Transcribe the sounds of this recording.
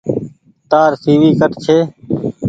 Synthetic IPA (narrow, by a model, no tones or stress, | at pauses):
t̪aːɾsiːʋiːkəʈt͡ʃʰeː